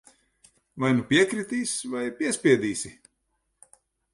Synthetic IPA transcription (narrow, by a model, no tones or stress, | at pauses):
vajnupʲiɛkɾit̪iːsvajpʲiɛsʲpʲiɛd̪iːsʲi